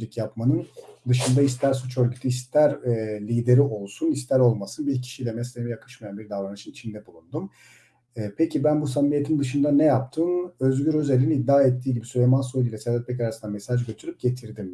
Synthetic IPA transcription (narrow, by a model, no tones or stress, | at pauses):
lʲycjapmanɯnd̪ɯʃɯnd̪aist̪ʰæɾsut͡ʃøɾɟyt̪ʰyist̪ʰæɾlʲiːd̪e̞ɾiʔo̞lˠsunist̪ʰæɾo̞lˠmasɯnbiɾcʰi̥ʃijlʲɛmɛslʲemɛjakʰɯ̥ʃmajanbiɾd̪avɾanɯʃɯnit͡ʃʰind̪ɛbulˠund̪um | ɛːpʰecʰibænbus̬amije̞t̪ʰind̪ɯʃɯnd̪anɛjap̚t̪ʰɯmøzɟyɾøzelʲniid̪ːaːɛt̪ʰːiːɟibisylemansojilʲɛsɛd̪ɛt̪̚bɛcaɾasɯnamesaʒɟø̞t̪ʰyɾyp̚ɟ̥e̞t̪ʰiɾd̪im